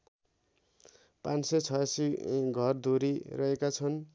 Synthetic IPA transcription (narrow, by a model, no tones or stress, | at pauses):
pãnset͡sʰʌjasiɡʱʌrd̪ʱoɾirʌɦekat͡sʰʌn